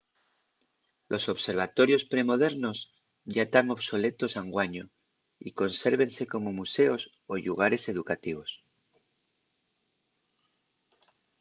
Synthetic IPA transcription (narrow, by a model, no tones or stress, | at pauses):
lʔo̞so̞βse̞ɾβ̞at̪o̞ɾjo̞spɾe̞mo̞ð̞e̞ɾno̞z | ʝat̪aŋo̞βso̞le̞t̪o̞saŋɡwaɲo | ḭko̞nse̞ɾβ̞e̞nse̞ko̞mo̞muse̞o̞s | o̞ʎuɣ̞aɾe̞se̞ðukat̪iβ̞o̞s